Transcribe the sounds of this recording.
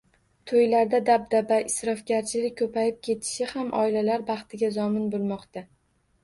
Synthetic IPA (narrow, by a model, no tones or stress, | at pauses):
t̪ʰojlaɾd̪ad̪ab̚d̪abaɪsɾɒfɡʲaɾt͡ʃʰɪlɪk̚ʲkʰːɵpʰajɪp̚kʲʰe̞t̪ʰɪ̥ʃɪhamʔɒ̰ɪlalaɾbɑχt̪ʰɪɡʲazɒmɪnbolˠmɒqt̪a